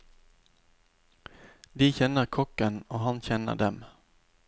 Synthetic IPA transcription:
d̪ɪçɛnːəɾkʰɔkːənoːɦanɕɛnːə̰ɖɛm

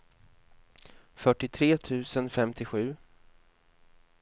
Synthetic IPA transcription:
fœʈːɪt̪ʰɾeːt̪ʰʉ̟ːsənfɛmt̪ʰɪɧʉ̟ː

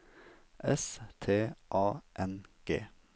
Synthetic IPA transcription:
ʔɛst̪ʰeːʔɑːʔɛnɡ̥ḛː

